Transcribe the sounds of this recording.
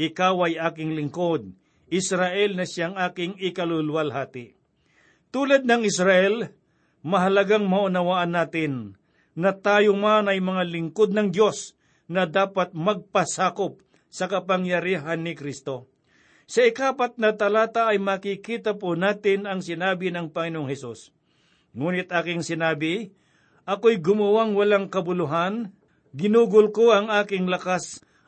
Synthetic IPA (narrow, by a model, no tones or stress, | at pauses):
ʔɪkawɐjʔaːkɪŋlɪŋkod̪̚ | ɪsɾaʔɛlnɐʃjaŋʔaːkɪŋɪkɐlʊlʊwɐlɦaːt̪ɪ | t̪uːlɐd̪̚nɐŋɪsɾɐʔɛl | mɐɦɐlɐɡaŋmɐʔʊnɐwaːʔɐnːaːt̪ɪnː | ɐt̪aːjomanɐjmɐŋalɪŋkod̪̚nɐŋd̪jo̞s | nɐd̪aːpat̪̚mɐɡ̚pɐsaːkop̚ | sɐkɐpɐŋjɐɾiːɦanːɪkɾist̪o̞ | sɐɪkaːpɐt̪̚nɐt̪ɐlaːt̪aʔɐjmɐkɪkiːt̪ɐponaːt̪ɪnɐŋsɪnaːbɪnɐŋpɐŋɪnooŋhɛsus | ŋuːnɪt̪ʔaːkɪŋsɪnaːbɪ | ʔɐkojɡʊmɐwaŋwɐlaŋkɐbʊlʊɦan | ɡɪnuːɡʊlkoɐŋaːkɪŋlɐkas